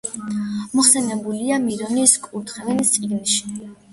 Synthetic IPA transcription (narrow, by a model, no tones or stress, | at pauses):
mɔχsɛnɛbuliamiɾɔniskʼuɾt̪ʰχɛvɛnist̪sʼiɡnʃi̥